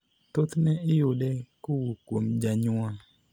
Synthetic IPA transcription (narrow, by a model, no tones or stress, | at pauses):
t̪ot̪nɛʔɪjodɛkʊwukomd͡ʒaɲʊa